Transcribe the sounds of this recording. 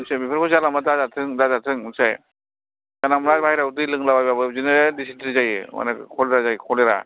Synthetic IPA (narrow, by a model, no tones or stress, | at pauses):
sabipʰɯɾkʰɔzalamadazatʰɯŋdazatʰɯŋɯsaj | kanamɾabajɾawut̬ɯjlɯŋlabajbabɯzinɯdisitʰiɾizajɯma̰nɯkʰɔleɾazajkʰɔleɾa̰